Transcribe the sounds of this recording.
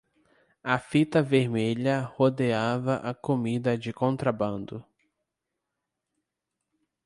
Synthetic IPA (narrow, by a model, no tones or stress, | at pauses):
ɐfit̪ɐveɾmeʎɐhod̪eavɐʔɐkomid̪ɐd͡ʒɪkõnt̪ɾɐbɐ̃nd̪ʊ